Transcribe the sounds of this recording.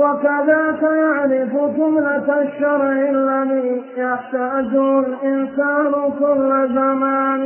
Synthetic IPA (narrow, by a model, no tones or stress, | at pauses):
wakaðaːtajaʕɾɪfʊt̪ʊmlat̪aʃɑɾˤɪlːaliːjaħt̪aːd͡ʒʊlʔɪnsaːnʊkʊlːazamaːn